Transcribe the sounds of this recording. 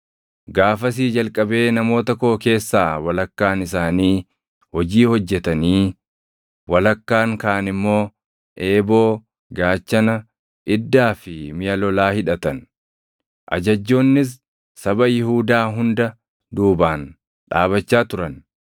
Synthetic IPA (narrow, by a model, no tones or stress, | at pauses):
ɡaːfɐs̬iːd͡ʒɐlkʼɐbe̞ːnɐmo̞ːt̪ɐkoːke̞ːsːaːwɐlɐkːaːnɪsaːniː | hɔd͡ʒiːhɔd͡ʒːɛt̪ɐniː | wɐlɐkːaːŋkaːnɪmːo̞ː | ʔe̞ːbo̞ː | ɡaːt͡ʃːɐnɐ | ʔɪd̪ːaːfɪmɪjɐlɔlaːhɪᶑɐt̪ɐn | ʔɐ̰d͡ʒɐd͡ʒːo̞ːnːɪs̬ː | ɐbɐjɪhuːd̪aːɦʊnd̪ɐ | d̪uːbaːn | ᶑa̰ːβɐt͡ʃːaːt̪ʊɾɐn